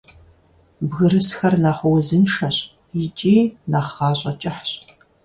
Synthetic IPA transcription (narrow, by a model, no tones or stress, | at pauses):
bɣɨɾɨsxɐrnaːχʷʊwzɨnʂɐɕ | it͡ʃʼiːnaːχːɑːɕʼɐt͡ʃʼɐħɕ